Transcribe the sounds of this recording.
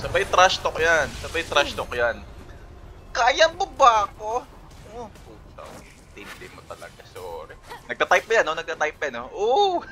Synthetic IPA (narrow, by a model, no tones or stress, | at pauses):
sɐbajt̪ɾast̪ok̚jansɐbajt̪ɾast̪okjan | kaːjɐbʊbaːko | ʔoʔoso̰ɡɪ̰ | t̪ɪnd̪ɪmot̪ɐlɐ̰ɡasoːɾɛnɐɡ̚t̪at̪ajp̚ːɐjanonɐɡ̪̚at̪ajp̚ːɐjanoʔo